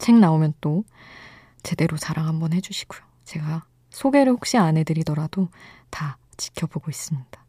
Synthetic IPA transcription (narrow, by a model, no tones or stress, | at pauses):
t͡ɕʰeŋnaomjʌnt͈o | t͡ɕe̞de̞ɾot͡ɕaɾaŋɦambʌnhe̞d͡ʑuɕʰi̥ɡ̥ojo | t͡ɕe̞ɡa | sʰoɡe̞ɾɯɭɸok̚ɕ͈iane̞dɯɾidʌɾadota | t͡ɕi̥kʰjʌboɡois͈ɯmɲid̥a